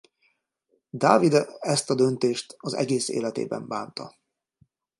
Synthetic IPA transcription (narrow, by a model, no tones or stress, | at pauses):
d̪aːvid̪ɛst̪ɒd̪ønt̪eːʃt̪ɒzɛ̰ɡeːsḛːlɛt̪ḛːbɛ̰mbaːnt̪ɒ̰